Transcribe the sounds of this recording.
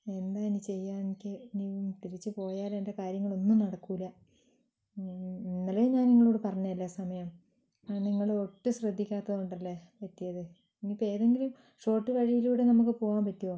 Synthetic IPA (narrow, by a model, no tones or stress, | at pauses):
e̞nd̪aːenit͡ɕe̞jːaːneikʲːɨniumt̪iɾit͡ɕːɨpo̞ːjaːlende̞kaːɾjɐŋːɐɭo̞nːumnɐɽɐkːuilːɐ | inːɐlejɲaːnniŋːɐɭuːɽepɐrɐɲːɐɐlːɐsɐmɐjɐm | aɳniŋːɐɭoʈːɨɕrɐd̪ʱːikʲːaːt̪ːɐðuɳɖɐlːepɐtːijɐðɨ | inipe̞ːðeŋɡilum | ʂo̞ːʈːɨʋɐɻijiluːɽe̞nɐmukːɨpo̞ːʋaːmpɐtːijoː